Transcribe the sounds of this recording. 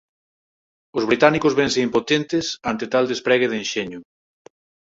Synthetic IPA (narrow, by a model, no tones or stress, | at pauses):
ʊzβɾit̪anikʊzβẽnseimpot̪ent̪ɪsant̪et̪ald̪espɾɛɣ̞eðenʃeɲʊ